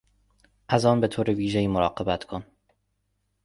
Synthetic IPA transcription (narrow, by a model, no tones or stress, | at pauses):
ʔæzɒːnbe̞t̪ʰoːɾeviːʒeiːmoɾɒːɢe̞bæt̪ʰkʰon